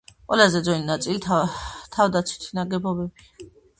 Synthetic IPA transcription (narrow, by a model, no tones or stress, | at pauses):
qʼwɛlazɛd̪zɔninat̪sʼilit̪ʰavd̪at̪sʰwi̥t̪ʰinaɡɛbɔbɛbi